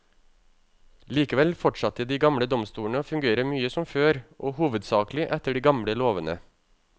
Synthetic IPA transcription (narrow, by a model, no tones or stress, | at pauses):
liːkəʋɛlfɔʈʂɑt̪əd̪iːɡɑmɽəd̪ɔmst̪uːɳəoːfʉŋɡeːɾəmyːəsɔmføːɾʔoːhuːʋəd̪sɑːklɪʔɛt̪əɖiːɡɑmɽəloːʋənə̰